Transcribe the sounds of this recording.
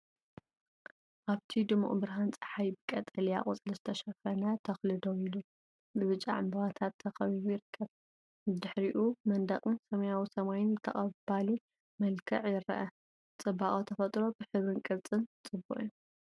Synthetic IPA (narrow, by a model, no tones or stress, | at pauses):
ʔaβt̪ʰid̪ɨmːṵʔʼbɨɾɦant͡sʼɐ̥ħajbɨkʼɐt̪ʼɐlija̰ʔʼut͡sʼɨlɐzɨt̪ʰɐʃɐfɐnɐt̪ʰɐxlɨd̪owilu | bɨβɨt͡ʃʼːa̰ʕa̰mbɐβat̪ʰat̪ʰːɐxɐβiβujɪɾɨkʰːɐβ | ɨd̪ɨħɾiʔumɐnd̪ɐχʼɨnsɐmɐjawisɐmajɪnt̪ʰɐ̰χʼɐbali | mɐlkʰɐʕjɪɾɐ̰ʔɐ | t͡sʼɨbaχʼot̪ʰɐfɐt̪ʼɾo̞bɨħɨβɾɨnkʼɨβt͡sʼɨnt͡sʼɨbṵʔʼju